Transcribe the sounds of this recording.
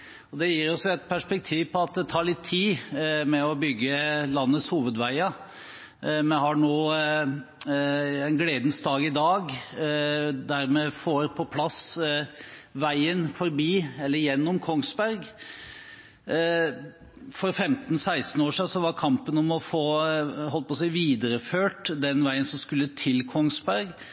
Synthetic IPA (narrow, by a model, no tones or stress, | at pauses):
ɔd̪ɛjiːɾɔsɔɛɪt̪̚pʰæʂpɛk̚t̪ʰiːʋpʰɔɑt̪̚d̪ɛt̪ʰɑːɭɪt̪ʰːiːmɛɔbʏɡːəlɑnːətshuːʋəd̪ʋæɪɑ | mɛhɑɳoː | ɛnɡleːd̪n̩sd̪ɑːɡɪd̪ɑːɡ | d̪æɾmɛfoːɾpʰɔpʰlɑs | ʋæɪənfɔɾbiːɛlːəɾjɛnːɔmkʰɔŋsbæɾɡ | fɔɾfɛmt̪n̩sæɪst̪n̩oːʂɪsɔʋɑɾkʰɑmpənɔmɔfoːɦɔlt̪̚pɔsæɪʋiːd̪əɾəføːʈd̪ɛnʋæɪənsɔmskʉlːət̪ʰɪlkʰɔŋsbæɾɡ